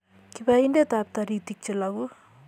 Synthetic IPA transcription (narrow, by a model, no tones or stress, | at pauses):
kipaindet̪ap̚t̪aɾit̪ik̚t͡ʃelaɡu